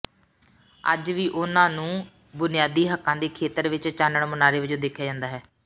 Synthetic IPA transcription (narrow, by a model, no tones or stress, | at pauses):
ə̰d͡ʒʋiːʔʊnãːnũː | bʊnɪjaːd̪iːɦəkːãːd̪eːkʰeːt̪əɾʋɪt͡ʃt͡ʃaːnəɳmʊnaːɾeːʋɪd͡ʒõːd̪eːkʰːjaːd͡ʒãːnd̪aːɦɛː